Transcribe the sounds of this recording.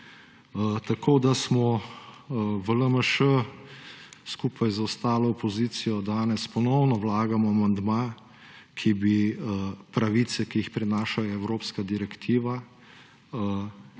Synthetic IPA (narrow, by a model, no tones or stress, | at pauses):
t̪akoːd̪asmɔ | ʋələməʃə | skuːpʰajzaʊst̪aːlɔːpɔziːsijɔd̪aːnɛspɔnɔwnɔwlaːɡamɔamand̪ma | kʰibi | pɾaʋiːt̪sɛkiixpɾɛnaːʃajɔɛwɾoːpskad̪iɾɛkt̪ʰiːʋa